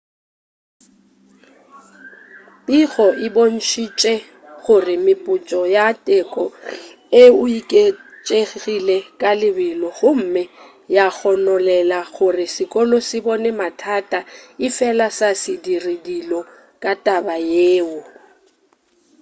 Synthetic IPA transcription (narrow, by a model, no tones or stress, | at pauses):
pʼiɣɔɪbon̩ʃit͡ʃʼɛ | ɣʊrɪmɪpʼʊt͡ʃʼɔjatʼɛkʼɔ | eʊikʼe | t͡ʃʼeɣɣilɛkʼalɪbɪlɔɣʊm̩mɛ | jak͡xɔnɔlɛlaɣʊrɪsɪkʼɔlɔsɪbɔnɛmatʰatʼaɪfɛlasasɪdiridilɔ | kʼatʼabajeːʊ